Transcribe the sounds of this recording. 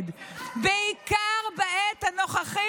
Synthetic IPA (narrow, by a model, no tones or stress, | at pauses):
d̪beikaʁbaet̪hanoχaχi